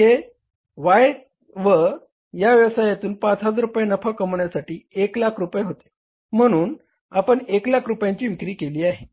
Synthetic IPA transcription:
e | ʋaj | ʋə | jaʋjəʋsajat̪uːnpãt͡sɦat͡sɾupjanəfakəmɳjasaʈiːeklakʰɾupjeɦot̪e̥ | m̤əɽ̃uːn | apəɳeklakʰɾupjãɲt͡ɕiːʋikɾiːkeliːaɦe

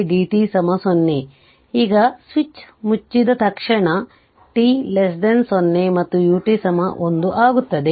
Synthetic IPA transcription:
ɖiːʈiːsɐmɐsonːe | iːɡɐsʋit͡ʃmut͡ʃːid̪ɐt̪ɐkʂɐɳɐ | ʈiːles̬ɖensonːemɐt̪ːujuːʈiːsɐmɐʔond̪uʔaːɡut̪ːɐd̪e

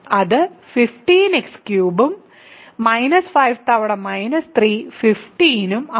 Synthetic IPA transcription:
ɐðɨfifʈiːnekskjuːbumː | ɐjnɐsfɐjʋt̪ɐʋɐɽɐmɐjnɐst̪riːfifʈiːnumɐ

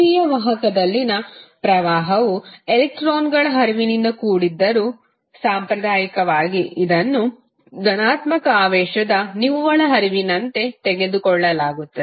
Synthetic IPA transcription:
iːjɐʋɐɦɐkɐd̪ɐlːinɐpɾɐʋaːɦɐʋuelek̚ʈɾoːnɡɐɭɐɦɐɾiʋinind̪ɐkuːɽid̪ːɐɾuː | saːmpɾɐd̪aːjɐkɐʋaːɡiid̪ɐnːu | ɡ̪ɐnaːt̪mɐkɐaːʋɛːʃɐd̪ɐniʋʋɐɭɐɦɐɾiʋinɐnt̪e̞t̪eɡe̞d̪ukɔɭːɐlaːɡut̪ːɐd̪e

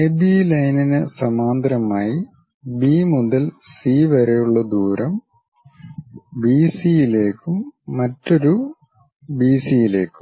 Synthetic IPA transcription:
ebilɐjninɨsɐmaːnd̪ɾɐmaːji | biːmuðɐlsiːʋɐɾejuɭːɐd̪uːɾɐm | biːsijile̞ːkːumːɐtːo̞ɾu | biːsijile̞ːkːu̥mm

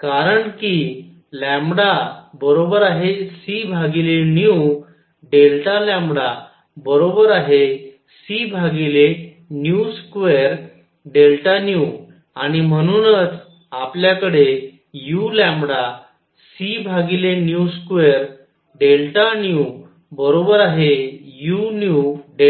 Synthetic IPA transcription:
kaɾəɳki | lɛ̃mbɽabəɾobəɾaɦesibʱaɡilenju | ɖelʈalãmɽa | bəɾobəɾaɦe | sibʱaɡile | njuskʋeɾ | ɖelʈanju | aɽ̃im̤əɽ̃unət͡s | apljakəɽe | julɛmɽa | sibʱaɡilenjuskʋeɾ | ɖelʈanju | bəɾobəɾaɦejunjuɖe

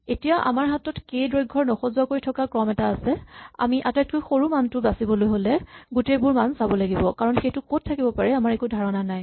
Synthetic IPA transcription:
etijaʔa̰maɹɦatɔtkejdɹojɡʱːɔɹnɔxɔzuwakoɹitʰɔkakɹɔmɛtaːsɛa̰miʔatajt̚kʰojxoɹumantʊbasibɔlojɦolɛɡutejbʊɹmansabɔlaɡibɔkaɹɔnxejtʊkot̚ʰːakibɔpaɹɛamaɹekudʱaɹɔnanaj

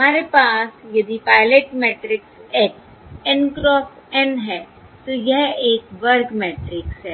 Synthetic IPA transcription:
ɦɐmaːɾepaːsjɐd̪ipaːɪleʈmɛːʈɾɪksɛːk | ɛnkɾɔːfʈɛnɦɛː | t̪ojɛɦeːkʋɐɾɡmɛːʈɾɪksɦɛː

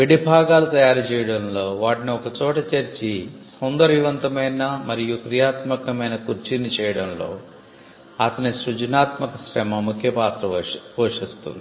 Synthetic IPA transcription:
ʋiɽibʱaːɡaːlut̪ɐjaːɾut͡ʃɛːjɐɽɐmlo̞ːʋaːʈiniɔkɐt͡ʃɔːʈɐt͡ʃɐɾt͡ʃisɐwnd̪ɐɾʋiʋɐnt̪ɐmɐjnɐmɐɾijukɾijaːt̪mɐkɐmɐjnɐkuɾt͡ʃinit͡ʃɛːjɐɽɐmlo̞̰ː | ɐt̪ɐniʃɾud͡ʒɐnaːt̪mɐkɐsɾɛmɐmukʰjɐpaːt̪ɾɐpoːʂist̪ṵnd̪i

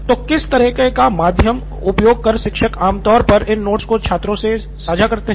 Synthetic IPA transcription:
t̪oːkɪst̪ɐɾiːqekamaːd̪ʱjəm | ʊpjoːɡ̚kɐɾʃɪkʃəkaːmt̪ɔːɾpɐɾɪnːoːʈskot͡ʃʰaːt̪ɾõse | saːd͡ʒʱakɐɾt̪eɦ

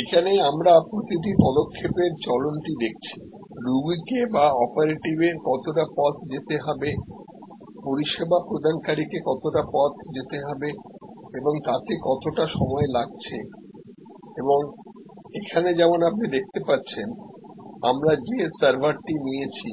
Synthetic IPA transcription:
ekʰaneamɾapɾot̪iʈ̬ipɔd̪okʰːepeɾt͡ɕɔlonʈid̪ek̚ʰt͡ɕʰi̥ | ɾuɡikebaɔpaɾeʈibeɾkɔt̪oʈapɔt̪ʰd͡ʑet̪eɦɔbe | poɾiʃebapɾod̪ʱankaɾikekɔt̪oʈapɔt̪ʰd͡ʑet̪eɦɔbeeboŋt̪at̪ekɔt̪oʈaʃɔmɔelaɡ̚t͡ɕʰe | eboŋ | ekʰaned͡ʑɛmonapnid̪ek̚ʰt̪epatːɕʰen | a̰mɾad͡ʑesaɾbʱaɾʈinijet͡ɕʰi

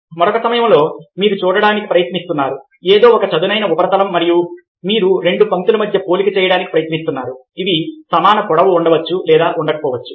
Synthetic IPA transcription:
mɐɾokɐsɐmɐjɐmlo̞ːmiːɾut͡ʃuːɽɐɽaːniki̥pɾɐjɐt̪nist̪unːaːɾu | eːd̪o̞ːɔkɐt͡ʃɐd̪unɐjnɐubɐɾɐt̪ɐlɐmːɐɾiju | miːɾuɾe̞ɳɖupɐnt̪ulumɐd̪ʱjɐpo̞ːlikɐt͡ʃɛːjɐɽaːnikipɾɐjɐt̪nist̪unːaːɾuid̪isɐmaːnɐpɔɽɐʋuːɳɖɐʋɐt͡ʃːulɛːd̪aːʔuɳɖɐkɐpɔːʋɐt͡ʃːu̥

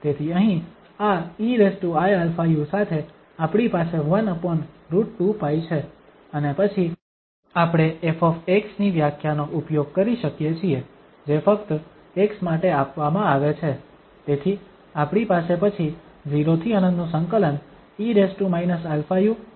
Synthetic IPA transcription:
t̪et̪ʰiəɦĩ | aiɾesʈuajelfʰajusat̪ʰe | apɽ̃ipaseʋənəpəɳ | ɾuʈʈupajt͡ʃʰe | ənepət͡ʃʰi | apɽ̃eefɔfeksniʋjakʰjanoʔupjoɡ̚kəɾiʃəkjet͡ʃʰie | d͡ʒefəkt̪ | eksmaʈeapʋamãaʋet͡ʃʰe | t̪et̪ʰi | apɽ̃ipasepət͡ʃʰi | d͡ʒiɾot̪ʰiənə̃nd̪nũsə̃ŋkələn | iɾesʈumainəsɛlfʰaju

